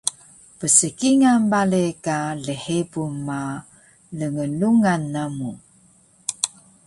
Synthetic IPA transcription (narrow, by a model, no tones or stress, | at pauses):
pəsəkiŋambalekaləħepuma | ləŋəluŋanːamu